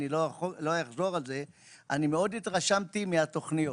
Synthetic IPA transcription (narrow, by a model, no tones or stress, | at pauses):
nilolojaχzo̞ʁalze̞ | animeo̞d̪it̪ʁaʃamt̪imeat̪o̞χnio